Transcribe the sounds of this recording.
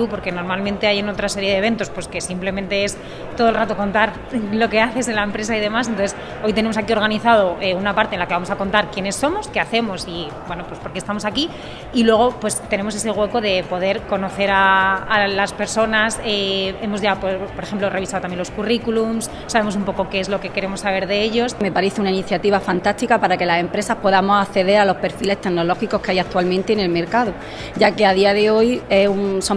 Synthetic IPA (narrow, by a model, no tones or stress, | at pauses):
tupo̞ɾke̞no̞ɾmalmẽnt̪e̞ajeno̞t̪ɾase̞ɾjeðe̞βe̞nt̪o̞spwe̞ske̞simple̞mẽnt̪e̞e̞s | t̪oð̞olrat̪o̞ko̞nt̪aɾ | lo̞ke̞aθe̞se̞nlaempɾe̞s̬aiðe̞mas̬ent̪oθes | o̞jt̪e̞ne̞mosakio̞ɾɣ̞aniθað̞o̞ʔeunapaɾt̪eːnlake̞βamo̞sako̞nt̪aɾkjene̞sːo̞mo̞ske̞aθe̞mo̞si | bwe̞nopwe̞spoɾkest̪amo̞sakiː | lwe̞ɣ̞o̞pwe̞st̪e̞ne̞mo̞se̞se̞ɣ̞we̞ko̞ðe̞po̞ð̞e̞ɾko̞no̞θe̞ɾaː | laspe̞ɾso̞nasee̞mo̞zʝapopo̞ɾexe̞mplo̞rʔe̞β̞isaðot̪amjelo̞skurikulumsːaβe̞mos̬umpo̞koke̞ezlo̞ke̞ke̞ɾe̞mo̞sːaβe̞ɾðe̞eʎo̞sme̞paɾe̞θe̞unainiθjat̪iβafant̪ast̪ikapaɾake̞lase̞mpɾe̞saspo̞ðamo̞saθe̞ðe̞ɾalo̞spe̞ɾfile̞st̪e̞ɣno̞lo̞xiko̞hkeajak̚t̪walmẽnt̪e̞ːne̞lme̞ɾkaðo | ʝake̞aðiaðe̞o̞jesunso